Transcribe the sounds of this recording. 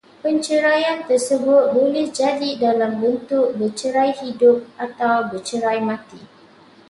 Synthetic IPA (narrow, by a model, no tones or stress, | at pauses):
pəɲt͡ʃəɾajant̪ərsəbʊt̪̚bolɛhd͡ʒadidalambənt̪ʊk̚bərt͡ʃəɾajhidʊp̚at̪awbərt͡ʃəɾajmãt̪i